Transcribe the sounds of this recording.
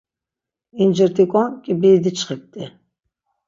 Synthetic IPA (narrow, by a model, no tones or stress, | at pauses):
ind͡ʒəɾt̪ʰikʷʼɔnkʼibiːd̪it͡ʃʰʼχik̚t̪ʼi